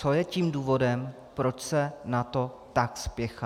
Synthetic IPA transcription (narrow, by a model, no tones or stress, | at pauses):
t͡sojɛciːmduːvo̞dɛm | pɾo̞t͡ʃsɛnat̪o̞ | t̪akspjɛxa